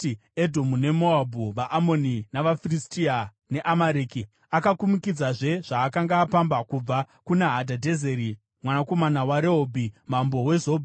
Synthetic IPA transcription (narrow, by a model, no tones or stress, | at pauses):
edʱomune̞moabʱuʋaʔamoninaʋafiristia | ne̞ʔamaɾeːki | akakumukid͡zaʐe̞ʐ̥aːkaŋɡaːpambakub͡va | kunaɦadʱadʱe̞ze̞ɾi | mwanako̞manawaɾeɦobʱimambo̞we̞zo̞bʱi